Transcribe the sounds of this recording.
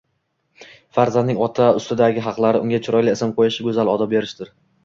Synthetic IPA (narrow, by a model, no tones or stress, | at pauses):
faɾzand̪ɪŋɒt̪ʰaʊst̪ɪd̪aɡʲɪɦɑqlˠaɾɪʊŋɡʲat͡ʃʰɪɾɒjlɪesamqʰojaʃɪɡʲɵzalɒd̪ɒp̚beɾɪʃt̪ɪɾ